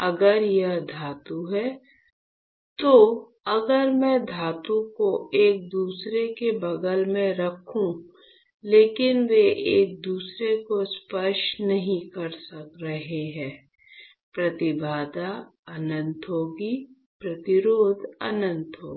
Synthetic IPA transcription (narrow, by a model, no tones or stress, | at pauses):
ɐɡəɾjɐɦd̪ʱaːt̪uɦɛː | t̪o | ɐɡəɾmɛ̃d̪ʱaːt̪ukoeːk̚d̪uːsɾekebɐɡəlmẽɾɐkʰũ | leːkɪnʋeʔeːk̚d̪uːsɾekospəʃnɐɦĩkɐɾsɐkɾɐɦeɦɛ̃ː | pɾɐt̪ɪbʱaːd̪aɐnə̃nt̪ɦoːɡi | pɾɐt̪ɪɾoːd̪ə̰nə̃nt̪ɦoːɡ